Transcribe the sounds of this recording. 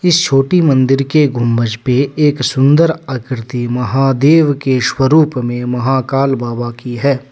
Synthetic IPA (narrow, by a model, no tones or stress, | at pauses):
ɪst͡ʃʰoːʈimɐ̃nd̪ɪɾkeɡʱʊmːəd͡ʒpeeːksʊ̃nd̪əɾəkɾɪt̪imɐɦaːd̪eːʋkeʃwəɾuːpmẽmɐɦaːkaːlbaːbakiɦɛː